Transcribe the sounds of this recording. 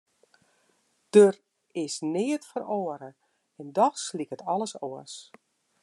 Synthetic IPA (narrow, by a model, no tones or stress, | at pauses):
d̥ør | ɪsnɪːətfəɾoəɾə | ɛndɔxslikətɔləsɔəs